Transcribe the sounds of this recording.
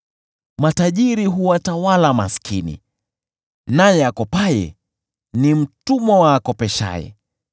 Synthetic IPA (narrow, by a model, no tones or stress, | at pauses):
mataʄiɾiɦuwatawalamaskʰinḭ | najɛakɔpajɛ̰ | nim̩tumɔwaːkɔpɛʃa̰jɛ̰